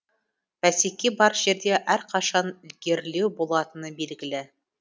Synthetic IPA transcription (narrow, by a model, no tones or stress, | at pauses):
fæsikibɑɾʒiɾd̪eʔæɾqɑʃɑnɵ̆lɡeɾlewbulˠɑt̪ɤ̆nɤbilɡɘ̆lɘ